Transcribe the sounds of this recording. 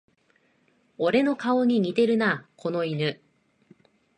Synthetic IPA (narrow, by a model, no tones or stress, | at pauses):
oɾe̞no̞kao̞ɲ̟iɲ̟it̪e̞ɾɯ̟nakʰo̞no̞inɯ